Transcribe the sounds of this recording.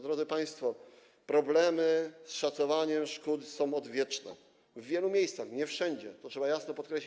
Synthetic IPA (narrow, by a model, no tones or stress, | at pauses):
d̪ɾɔd̪zɘpaj̃st̪fɔ | pɾɔblɛmɘsʂat̪sɔvaɲɛmʂkut̪sɔ̃w̃ɔd̪vʲjɛt͡ʂnɛ̰ | vːʲjɛlumʲjejst̪saxɲɛfʂɛɲd͡ʑɛt̪ɔtʂɛbajasnɔpɔt̪kɾɛɕi